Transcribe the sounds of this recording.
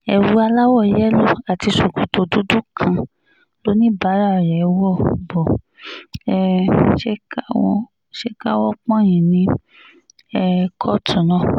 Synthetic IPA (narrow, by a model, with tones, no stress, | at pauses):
ɛ˨wu˨˦a˧la˦wɔ˦˨jɛ˦lo˦˨a˨ti˧so˨ku˨to˨du˦du˦kʰã˧ | lo˨˦nĩ˦ba˨˦ɾa˦˨ɾɛ˨˦wɔ˦˨bɔ˨ | ɛ˧ʃe˦ka̰˦ | ʃe˦ka˦wɔ˦k͡pã˦˨j̃ĩ˨nĩ˦ | ɛ˧kʰɔ˦tũ˨nɔ̃˦˨